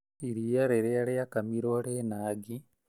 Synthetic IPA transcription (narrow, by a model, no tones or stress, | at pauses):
iɾiaɾeɾeaɾeakamiɾoɾenaːɡi